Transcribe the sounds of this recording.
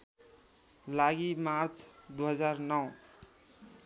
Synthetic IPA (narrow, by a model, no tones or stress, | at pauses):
laɡimaɾt͡sʰd̪uɦʌd͡zaɾnʌw